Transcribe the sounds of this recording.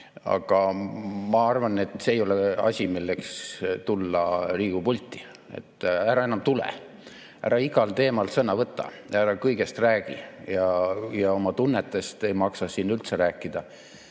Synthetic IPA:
ɑ̰ɡ̥ɑmɑɑrvɑne̞t̪ːˑseejo̞leɑ̰sʲimilːekst̪ulːɑriːɡ̥upulʲt̪ːˑi̥ | e̞̰t̪ˑːæɾɑe̞nɑmt̪ulḛ | æ̰ɾɑiɡ̥ɑlt̪e̞ːmɑlsɤnɑvɤt̪ːˑɑ̰ | æɾɑkɤjɡ̥e̞st̪ræːɡ̥ḭjɑjɑo̞mɑt̪unːet̪ːˑe̞st̪e̞jmɑksɑsinːylt̪seɾæːkˑːid̪̥ɑ

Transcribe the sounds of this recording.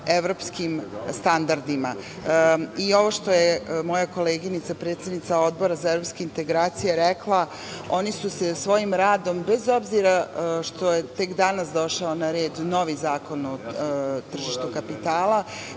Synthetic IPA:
e̞ʋɾopskimst̪and̪aɾd̪ima̰ | io̞ʋo̞ʃt̪o̞jemo̞jakoleːɡinit̪sapɾe̞ːt̪sed̪nit̪ao̞d̪̚bo̞ɾazaevɾopskeint̪e̞ɡɾaːt̪sijeɾeklˠa | o̞nisusesʋo̞jimɾaːd̪o̞mbe̞zo̞bziɾaʃt̪o̞jet̪e̞kd̪anasd̪o̞ʃaonaɾeːdno̞ʋizaːko̞not̪r̩ʒiʃt̪ukapit̪aːlˠa

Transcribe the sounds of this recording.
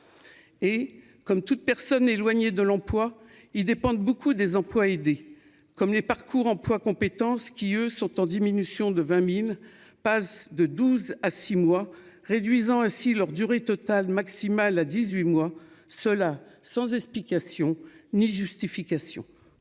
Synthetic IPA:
e | kɔmt̪ut̪̚pɛʁsɔnelwaɲed̪əlɑ̃plwa | ild̪epɑ̃d̪̚bokud̪ezɑ̃plwaed̪e | kɔmlepaʁkʰuʁɑ̃plwakɔ̃pet̪ɑ̃skʲiøsɔ̃t̪ɑ̃d̪iminysjɔ̃d̪əvɛ̃mil | pasd̪əd̪uzasimwa | ʁed̪ɥizɑ̃ɛ̃silœʁd̪yʁet̪ɔt̪almaksimalad̪izɥimwasəlasɑ̃zɛksplikʲasjɔ̃niʒyst̪ifikʲasjɔ̰̃

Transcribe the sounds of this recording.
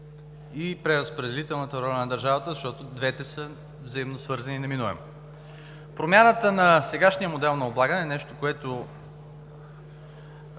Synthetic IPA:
ipɾɛɾəspɾɛd̪ɛlit̪ɛlˠnət̪əɾɔlʲɐnɐd̪ɐɾʒavət̪əzɐʃt̪ɔt̪ʊd̪vɛt̪ɛsə | vzɐimnosvɤɾzɐninɐminuvɛ̰mo | pɾomʲjanət̪ənɐsɛɡaʃnijəmod̪ɛlˠnɐoblˠaɡənɛːnɛʃt̪okoɛt̪ʊ

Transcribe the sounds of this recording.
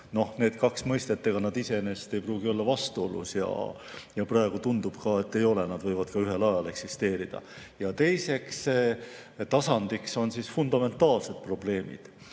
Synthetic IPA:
no̞hne̞ːd̪̥kɑksmɤjst̪e̞t̪ːeɡ̥ɑnɑd̪ise̞enest̪e̞jpruːɡio̞lːɑvɑst̪uo̞lṵsjɑ̰ | jɑprɑeɡ̥ut̪und̪ub̥kɑːe̞t̪ːe̞jo̞le̞nɑd̪vɤjvɑd̪̥kɑyɦe̞lɑjɑle̞ksist̪e̞ːɾid̪̥ɑ̰jɑt̪e̞jse̞ks | t̪ɑsɑnd̪̥ikso̞nsisfund̪̥ɑme̞nt̪ːˑɑːlse̞d̪̥pro̞b̥le̞ːmḭd̪̥

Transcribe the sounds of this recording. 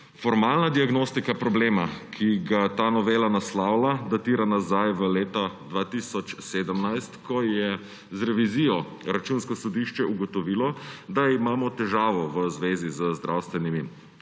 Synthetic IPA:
fɔɾmaːlnad̪iaɡnoːst̪ikapɾɔbleːmakʰiɡat̪aːnɔʋeːlanaslaːwlad̪at̪iːɾanazajʋəleːt̪ad̪ʋaːt̪iːsɔt͡ʃseːd̪əmnajst̪kʰɔjɛ | zɾɛʋizijɔ | ɾat͡ʃunskɔsɔd̪iʃt͡ʃɛuɡɔt̪ɔʋiːlɔd̪aimaːmɔt̪ɛʒaːʋɔʋəzʋeːzizəzd̪ɾʔawst̪ʋɛnimi

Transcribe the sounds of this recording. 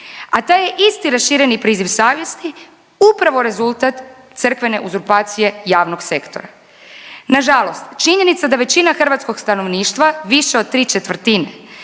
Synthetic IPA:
at̪aje̞ʔist̪iɾasʃiːɾe̞nipɾiːziʋsaːʋje̞st̪i | upɾaʋo̞ɾe̞zulˠt̪at̪ | t̪sɨr̩kʋe̞ne̞ʔuzuɾpaːt̪sije̞jaːʋnoɡse̞kt̪o̞̰ɾa | naʒalo̞st̪t͡ʃiɲe̞nit̪sad̪aʋe̞t͡ɕinaxr̩ʋat̪sko̞ɡst̪ano̞ʋniːʃt̪ʋaʋiʃeo̞d̪̚t̪ɾiːt͡ʃet̪ʋr̩t̪ine

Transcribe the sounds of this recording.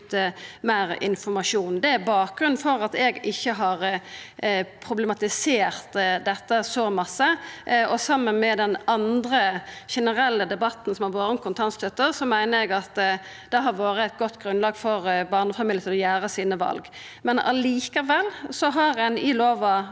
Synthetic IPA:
mæɪɾɪ̰nfɔɾmɑʂuːnd̪ɛæbɑːk̚ɡɾʉn̩fɔɾɑt̪ɛɡɪçːəɦɑʁ | pʰɾʊblɛmɑt̪ɪseːɾt̪d̪ɛt̪ːəsɔmɑsːəɔsɑmːənmɛd̪ɛnɑnd̪ɾəʃɛnəɾɛlːəd̪ɛbɑt̪ːn̩sɔmhɑʋoːɾənkʰʊnt̪ʰɑnst̪ʰœt̪ːəɾsɔmæɪnəɾɛɡɑt̪ | d̪̥ɛɦɑɾʋoːɾəæɪt̪̚ɡɔt̪ːɡɾʉnlɑːɡfɔɾbɑːʁnəfɑmiːljət̪ʰɪlɔjæːɾəsiːnəʋɑ̰lɡ | mɛnɑ̰liːkəʋɛlːsɔɦɑɾɛnɪloːʋɑ

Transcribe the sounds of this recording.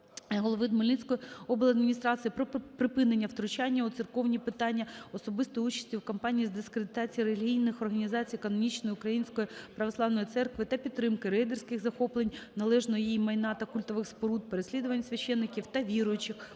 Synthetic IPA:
ɦɔlˠɔʋɪd̪mɔlʲinʲsʲkɔjɔblˠɐd̪mʲinʲist̪ɾɑt͡sʲijipɾɔpɾɪpɪnenʲːɐwt̪ɾʊt͡ʃɑnʲːɐuʊt̪sɨrkɔwnʲipɪt̪ɑnʲːɐɔsɔbɪst̪ɔut͡ʃɐ̥sʲtʲiwkɐmpɑnʲijizd̪ɪskɾed̪ɪt̪ɑt͡sʲijɾelʲɦʲijnɪxɔrɦɐnʲizɑt͡sʲijkɔnɔmʲit͡ʃnɔjiʊkɾɐjinʲsʲkɔjipɾɐʋɔslˠɑʋnɔjit̪sɛrkʋɪt̪ɐpʲid̪t̪ːɾɪmkɪɾɛjd̪ersʲkɪɣzɐxɔplˠenʲnɐlˠɛʒnɔɔjijimɐjnɑt̪ɐkʊlʲt̪ɔʋɪxspɔɾud̪̚peɾesʲlʲid̪ʊʋɐnʲɐsʲʋʲɐʃːɛnːɪkʲiwt̪ɐʋʲiɾʊjʊt͡ʃɪx

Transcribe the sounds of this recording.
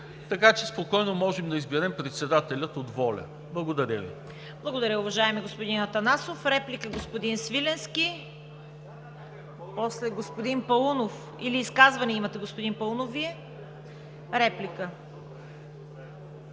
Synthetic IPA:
t̪ɐkat͡ʃɛspokɔjnomɔʒɛmd̪ɐizbɛɾɛmpɾɛt̪sɛd̪at̪ɛlʲət̪od̪vɔlʲɐ̰ | blˠɐɡod̪ɐɾʲəvḭ | blˠɐɡod̪ɐɾʲəʊvɐʒaɛmɛɡospod̪inɐt̪ɐnasofɾɛplikəɡospod̪insvilɛnskʲi | pɔslɛɡospod̪inpɐlˠunof | iliːskazvɐnɛimɐt̪ɛɡospod̪inpɐlˠunofviɛ | ɾɛplikə

